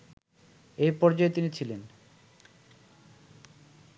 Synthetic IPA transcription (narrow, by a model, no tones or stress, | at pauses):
ejpɔɾd͡ʑaet̪init͡ɕʰilen